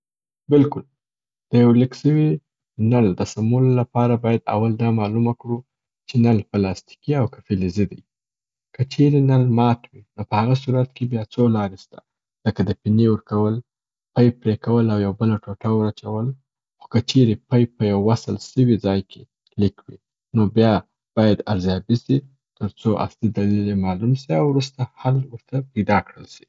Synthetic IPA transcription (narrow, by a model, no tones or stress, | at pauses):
bɪlkʊl | d̪̥əjawlɪkʃəwi | nald̪əsamulːapɑɾabɑjad̪a̰wald̪ɑmɑlumakɽu | t͡ʃenalpəlɑst̪i̥kiawkḁfelized̪aj | kət͡ʃeɾenalmɑt̪winopəhaɣas̬uɾat̪̚kebjɑt͡solɑɾest̪ḁ | z̥əkad̪əpinewəɾkawəl | pajpɾekawəlawjawbəlaʈoʈawəɾat͡ʃawəl | xo̥kət͡ʃeɾepajpəjawːasəlsəwid͡zɑjkʰe | likwi | nobjɑ | b̥ɑjad̪aɾzjɑbisi | t̪əɾt͡soʔa̰slid̪alilemɑlumsiawɾust̪ahalwəɾt̪apəjd̪ɑkɽəlʃi̥